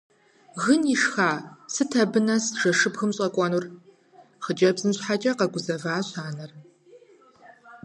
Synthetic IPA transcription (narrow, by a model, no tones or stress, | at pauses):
ɣɨniʂxaːsɨtʰɐbɨnɐsʒ̥ɐʂɨbxɨmɕʼɐkʷʼɔnur | χəd͡ʒʼɐbzɨmɕħat͡ʃʼɐqɐɡʷʊzɐvaːɕaːnɐr